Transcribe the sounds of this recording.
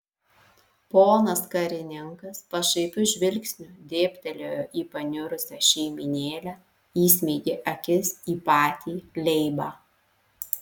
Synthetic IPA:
poːnɐskɐɾʲɪnʲɪŋkɐspɐʃɐɪpʲʊɪʒʲʋʲɪlʲksʲnʲʊd̪ʲeːpʲt̪ʲɛlʲoːjoːʔiːpɐnʲʊɾʊsʲɛʃʲɛɪmʲɪnʲeːlʲæ | iːsʲmʲeːɡʲeʔɐkʲɪsiːpɑːt̪ʲiːlʲɛɪbɑː

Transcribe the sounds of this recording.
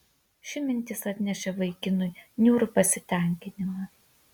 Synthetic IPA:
ʃʲɪmʲɪnʲt̪ʲɪsɐt̪ʲnʲɛʃʲɛʋɐɪkʲɪnʊɪnʲuːɾʊpɐsʲɪt̪ʲæˑŋʲkʲɪnʲɪmɐ

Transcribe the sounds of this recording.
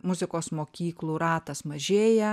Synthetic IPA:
mʊzʲɪkoːsmoːkʲiːklˠuːɾɑːt̪ɐsmɐʒʲeːjɛ

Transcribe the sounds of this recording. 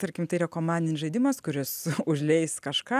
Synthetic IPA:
t̪ɐɾʲkʲɪmt̪ɐɪiːɾɐkoːmɑːnʲdʲɪnʲsʒɐɪd̪ʲɪmɐskʊɾʲɪsʊʒʲlʲɛɪskɐʃkɑː

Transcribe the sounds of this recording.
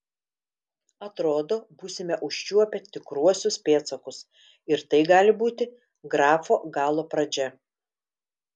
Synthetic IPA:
ɐt̪ɾoːd̪oːbuːsʲɪmʲɛʔʊʃʲt͡ʃʲuɔpʲɛt̪ʲɪkɾuɔsʲʊspʲeːt̪sɐkʊs | ɪɾt̪ɐɪɡɑːlʲɪbuːt̪ʲɪ | ɡɾɑːfoːɡɑːlˠoːpɾɐd͡ʒʲɛ

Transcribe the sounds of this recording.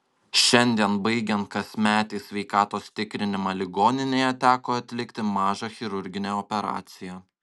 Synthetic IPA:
ʃʲɛnʲd̪ʲiɛnbɐɪɡʲɛnt̪̚kɐsʲmʲæːt̪ʲɛːsʲʋʲɛɪkɑːt̪oːst̪ʲɪkɾʲɪnʲɪmɑlʲɪɡoːnʲɪnʲeːjɛt̪ʲæːkoːɐt̪ʲlʲɪkt̪ʲɪmɑːʒɑxʲɪɾʊɾʲɡʲɪnʲæːɔpʲɛɾɑ̰ːt̪sʲɪjæ

